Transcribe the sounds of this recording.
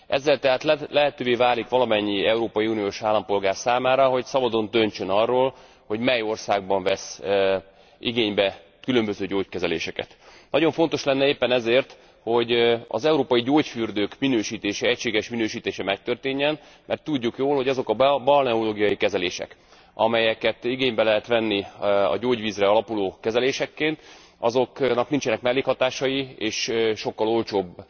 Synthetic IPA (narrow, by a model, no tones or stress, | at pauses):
ʔɛ̰zːɛlt̪ɛɦaːt̪lɛlɛɦɛt̪øːveːvaːlikʋɒlɒmɛɲːiɛuɾoːpɒjiuːnijoːʃaːlːɒmpo̞lɡaːrsaːmaːɾɒɦo̞csɒbɒd̪o̞nt̪ø̞ɲt͡ʃønɒrːoːl | ho̞ɟmɛjo̞rsaːɡ̚bɒɱvɛs | iɡeːɲbɛ | kylø̞mbøzøːɟoːckɛzɛlḛːʃɛkɛ̰t̪nɒɟo̞ɱfo̞n̪t̪o̞ʃlɛnːɛeːpːɛnɛzeːrt̪ | ho̞ɟɒ̰zɛuɾoːpɒjiɟoːcfyrd̪øːkminøːʃiːt̪eːʃɛɛcʃeːɡɛʃminøːʃiːt̪eːʃɛmɛk̚t̪ørt̪eːɲːɛn | mʔɛrt̪ːuɟːukjoːlho̞ɟɒzo̞kɒbɒlnɛuloːɡijɒjikɛzɛleːʃɛ̰k | ɒmɛjɛkɛt̪iɡeːɲbɛlɛɦɛt̪ʋɛnːiɒ̰ɟoːɟʋiːzrɛɒlɒpuloːkɛzɛleːʃɛkːeːnt̪ | ɒzo̞knɒknint͡ʃɛnɛkmɛlːeːkhɒt̪aːʃɒjieːʃʃo̞kːɒlo̞lt͡ʃoːb